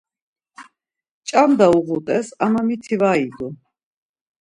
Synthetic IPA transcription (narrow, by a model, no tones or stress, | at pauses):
t͡ʃʼamd̪auʁut̪ʼɛsamamit̪ʰivaːiɡɔ